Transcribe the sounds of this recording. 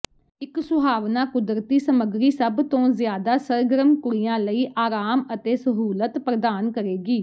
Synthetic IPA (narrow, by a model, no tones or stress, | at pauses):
ɪksʊbʱaːʋnaːkʊd̪ɾt̪iːsəməɡɾiːsəbt̪õːzjaːd̪aːsəɾɡəɾəmkʊɾijãːləiːʔaːɾaːmət̪eːsəɦuːlət̪pɾəd̪aːnkəɾeːɡiː